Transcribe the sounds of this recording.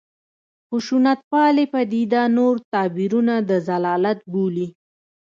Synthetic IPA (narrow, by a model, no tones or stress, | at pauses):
xʊʃunat̪̚pɑlepad̪id̪anoɾt̪ɑbiɾunad̪əzalɑlat̪̚buli